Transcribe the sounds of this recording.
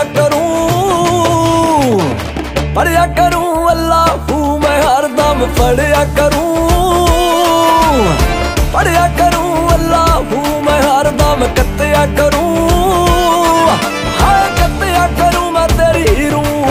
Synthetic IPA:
kɐɾũ | pɐɽɪjaːkɐɾũːɐlːaːɦuːmɛ̃ːɦaɾd̪aːmpəɽejaːkɐɾũː | pəɽɪjaːkɐɾũːɐlːaːɦu | mɛ̃ɦaɾd̪aːmkɐt̪ejaːkɐɾũ | hakɐt̪ejaːkəɾũːmɛ̃ːt̪eːɾiiɾũː

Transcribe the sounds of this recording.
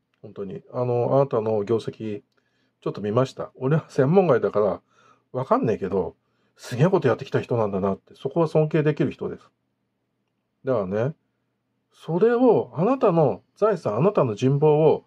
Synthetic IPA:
hõnt̪o̞ɲ̟ḭano̞a̰nat̪ano̞ɡʲo̞ːse̞kʲi | t͡ɕo̞t̪ːo̞mʲimaɕi̥t̪a̰o̞ɾe̞βasẽ̞mːõ̞ŋɡaid̪akaɾa | βakãnːeike̞d̪o̞̰ | sɨɡʲinako̞t̪o̞jat̪ːe̞kʲit̪açi̥t̪o̞nãnd̪anat̪ːeso̞ko̞βasõ̞ŋk̬e̞ːd̪e̞kʲiɾɯ̟çi̥t̪o̞̰d̪e̞sɨ̥ | d̪eane̞ | so̞ɾe̞oanat̪ano̞ | z̥aisãɰ̃anat̪ano̞ʑĩmbo̞ːo

